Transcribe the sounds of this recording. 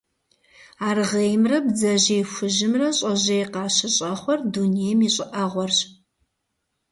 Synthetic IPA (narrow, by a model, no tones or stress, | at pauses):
aːrʁejmrɐbd͡zɐʑejxʷʊʒɪmrɐɕʼɐʑejqɑːɕɪɕʼɐχʷɔrdunejmiːɕʼɪʔɐʁʷɔrɕ